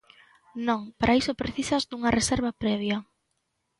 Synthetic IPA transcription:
nõŋpaɾʔaisopɾeθisɐzd̪uŋɐreseɾβɐpɾɛβ̞jɐ

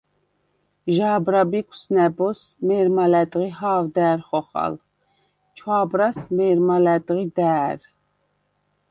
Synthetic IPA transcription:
ʒaːbɾabikʰʼu̥snɛbɔsmɛːɾmalɛt̪ʼʁihaːvd̪æːɾχɔχa̰l | t͡ʃʰwaːbɾasmɛːɾmalɛt̪ʼʁid̪æːɾ

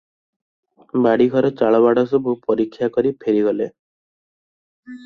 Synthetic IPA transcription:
baɽiɡʱɔɾɔt͡ʃaɭɔβaɽɔsɔbʱupɔɾikʰːjakɔɾipʰeɾiɡɔle

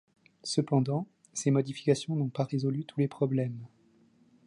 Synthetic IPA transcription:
səpɑ̃d̪ɑ̃ | semɔd̪ifi̥kasjɔ̃nɔ̃paʁezɔlyt̪ʰulepχɔblɛm

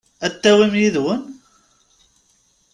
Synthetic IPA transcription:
æt̪ːæwimjiðwən

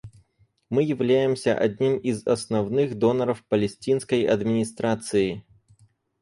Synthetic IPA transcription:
mɨjɪvlʲæjɪmsʲɐ̰ʔa̰dʲnʲimizɐsnawnɨxd̪ɔnɐɾɐfpɐlʲɛsʲt͡sʲinskəjɐ̰d̪mʲinʲist̪ɾat̪sɨji

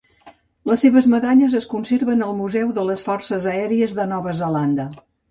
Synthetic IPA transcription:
ləsːeβəzməðaʎəzəskunseɾβənəlˠmuzɛwðələsfɔrsəzəɛɾiəzðənɔβəzəland̪ə

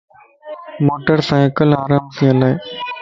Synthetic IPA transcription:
moːʈəɾsãːekəlaːɾaːmsĩːəlaːe

